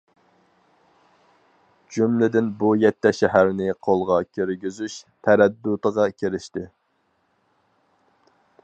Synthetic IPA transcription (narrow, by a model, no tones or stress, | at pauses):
d͡ʒumlɪd̪ɪnbujɛt̪ʰːɛʃɛɦæɾnɪqʰolˠʁɑkʲʰiɾɡʲizyʃt̪ʰɛɾɛd̪ːʊt̪əʁɑkʲʰeɾɪʃt̪ɪ